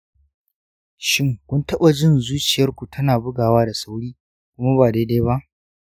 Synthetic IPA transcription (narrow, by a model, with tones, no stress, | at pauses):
ʃɪ˦ŋkʷʊ˦ntɐ˦ɓa˨d͡ʒɪ˦nzuː˦t͡ʃɪ˨jɐ˦rkʷu˨tʰɐ˦naː˨bʊ˦ɡaː˨waː˦da˨sa˦wɽiː˦ | kʷʊ˦ma˦baː˨da˦da˦jba˦ʔ